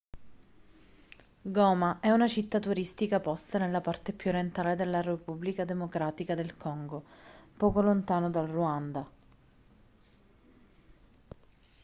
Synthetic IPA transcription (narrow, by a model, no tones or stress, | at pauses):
ɡɔːmaʔɛunat͡ʃit̪ːat̪uɾist̪ikapɔst̪anelːapart̪epjuɾent̪aːled̪elːaɾepubːlikad̪emokɾaːt̪ikad̪elkɔŋɡopɔːkolont̪aːnod̪alruand̪a